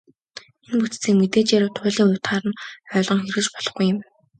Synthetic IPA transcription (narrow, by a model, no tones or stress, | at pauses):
enput͡st͡sʰiːŋmet̪eːt͡ɕjaɾʊːt̪ʰʊːɮiːŋʊwʲt̪χaːɾə̆nœːɮʁɞ̆ŋxeɾɘ̆kt͡ɕpɔɮɞ̆χɡujːɪ̆m